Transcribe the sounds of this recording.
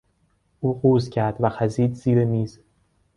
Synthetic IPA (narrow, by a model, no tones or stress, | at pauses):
ʔuːɢuːzcʰæɾd̪̥væxæziːd̪z̥iːɾemiːz̥